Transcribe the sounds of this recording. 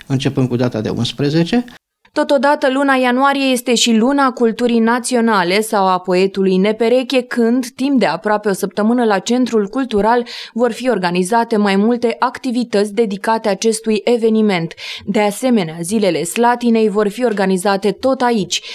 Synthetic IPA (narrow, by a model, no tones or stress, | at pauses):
ɨnt͡ʃe̞pɨnd̪kud̪at̪a̰d̪ḛṵnspɾeze̞t͡ʃe̞ | t̪o̞t̪o̞d̪at̪əlunajanuaɾije̞je̞st̪e̞ʃilunakult̪uɾijnat̪sio̞nale̞sawapo̞e̞t̪ulujne̞pe̞ɾe̞kʲe̞kɨnd̪t̪imp̚d̪e̞apɾoape̞o̞səp̚t̪əmɨnəlat͡ʃe̞nt̪ɾulkult̪uɾalvo̞rfio̞rɡanizat̪e̞majmult̪e̞ʔakt̪ivit̪ət̪sʲd̪e̞d̪ikat̪eat͡ʃe̞st̪uje̞ve̞nime̞nt̪d̪e̞ase̞me̞neazile̞le̞slat̪ine̞jvo̞rfio̞rɡanizat̪e̞t̪o̞t̪ait͡ʃʲ